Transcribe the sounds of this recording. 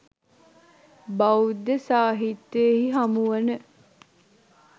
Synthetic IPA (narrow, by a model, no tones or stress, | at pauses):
bawud̪əsaːɦit̪ːeehiɦamuʋənə